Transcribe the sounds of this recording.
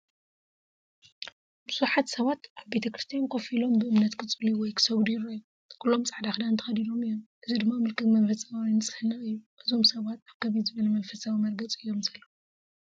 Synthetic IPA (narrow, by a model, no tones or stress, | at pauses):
bɨsuħat̪sɐβat̪ʔaβbe̞t̪ʰɐkɾɨst̪ʰijankʰofilo̞mbɨɨmnɐt̪kʰɨt͡sʼɨliwɔjkʰɨ̥sɐwd̪jɪɾajːu | kʰulːo̞mt͡sʼaʕd̪axd̪annt̪ɐ̥xɐd̪id̪o̞mɨjːonʔɨzid̪ɨmːamɨlkʰɨɡmɐnfɐsʼɐmawinɨt͡sʼɨ̥hɨnɐɨjːuʔɨzo̞msɐβat̪aβkʰɐβizɨβɐlɐmɐnfɐsawimɐɾɡɐt͡sʼɨjːo̞msɐlːɐ